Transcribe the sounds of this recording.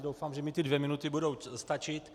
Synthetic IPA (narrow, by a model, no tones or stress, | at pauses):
dowfaːmʒɛmɪt̪ɪdvjɛmɪnut̪ɪbudowst̪at͡ʃɪt̪